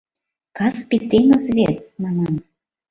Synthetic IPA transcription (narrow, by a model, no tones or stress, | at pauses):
kɑspʲik̚t̪ːenəzβʲet̪̚mɑnɑm